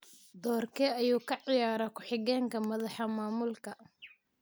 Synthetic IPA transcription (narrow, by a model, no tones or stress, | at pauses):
d̪ɔːrkʰɛɐjuːkʰɐʕɪjaːɾɐkʰʊħɪɣɛːŋkʰɐmɐðɑħɐmaːmʊlkʰɐ